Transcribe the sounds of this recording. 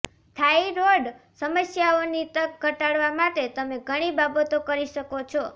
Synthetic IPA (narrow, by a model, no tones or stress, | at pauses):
t̪ʰaiɾoɖ | səməsjaonit̪ək̚ɡʱəʈaɽʋamat̪et̪əmeɡʱəɽ̃ibabət̪okəɾiʃəkot͡ʃʰɔ